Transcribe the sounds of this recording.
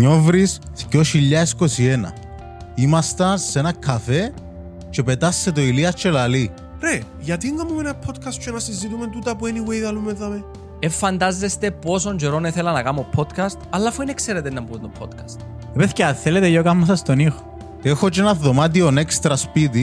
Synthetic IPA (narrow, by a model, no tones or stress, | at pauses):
ɲovɾis | θcoʃiʎːɐeskosienɐ̰ | imɐst̪ɐnsenɐkʰɐfe | t͡ʃe̞pet̪ɐsːet̪oiliɐst͡ʃːelɐli | ɾe | ʝɐt̪iŋɡɐmomenɐpʰːot̪kʰɐst̪t͡ʃʰenɐsizit̪ument̪ut̪ɐpueniwejðɐlumeðɐme | efːɐnd̪ɐzːest̪eposond͡ʒeɾoneθelɐnɐkɐmopʰːot̪kʰɐst̪ɐlːafuinekseɾet̪enːɐmbunt̪opʰːot̪kʰɐ̥st̪ | epeθceɐnθelet̪ejokɐmːɐsɐst̪onixo̥ | exot͡ʃenɐðomat̪̬ionekst̪ɾɐspit̪̬i